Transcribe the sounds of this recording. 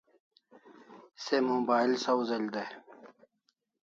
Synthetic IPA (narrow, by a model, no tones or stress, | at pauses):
semobaːilsɐwzɐlʲd̪e